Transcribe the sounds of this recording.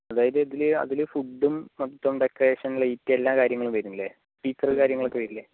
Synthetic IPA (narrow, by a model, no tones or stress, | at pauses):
ɐðaːjɐðɨɐðilɐ̰ðilfuɖːumːɐt̪ːɐmɖekːreːʂɐnilejitːelːaːkaːɾjɐŋːɐɭumpɐɾunilːe | piːsɐrkaːɾjɐŋːɐɭokːeʋɐjɾilːe